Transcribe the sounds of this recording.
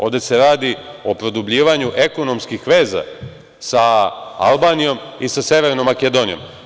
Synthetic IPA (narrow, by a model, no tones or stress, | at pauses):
o̞ːʋd̪ese̞ɾaːd̪io̞pɾod̪ubʎiːʋaɲuʔe̞ko̞no̞mskixʋe̞ːza̰ | saa̰lˠbaːnijo̞misase̞ʋeɾnomːaked̪o̞nijo̞̰m